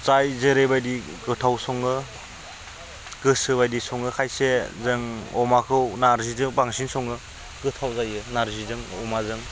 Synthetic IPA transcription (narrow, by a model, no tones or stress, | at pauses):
t͡sajzɯɾebajdiɡɯtʰawsɔŋɯ | ɡ̥ɯsɯbajdisɔŋɯkʰajsezɯŋɔmakʰɯwnaɾzizɯŋbaŋsinsɔŋɯ | ɡ̥ɯtʰawzajɯnaɾzizɯŋɔmazɯŋ